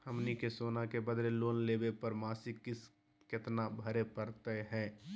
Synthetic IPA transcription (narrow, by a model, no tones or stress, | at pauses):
həmnikesoːnakebəd̪ɾeloːnleːbepəɾmaːsɪkːɪs | kɪt̪nabʱəɾepəɾt̪ɛɦɛ̃ː